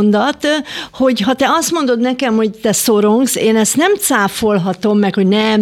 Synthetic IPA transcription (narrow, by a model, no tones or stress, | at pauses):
nd̪ɒt̪ho̞ɟɦɒt̪ɛɒst̪mo̞nd̪o̞d̪nɛkɛmho̞ct̪ɛsoɾoŋɡseːnɛst̪nɛmt̪saːfo̞lɦɒt̪o̞mːɛkho̞ɟnɛ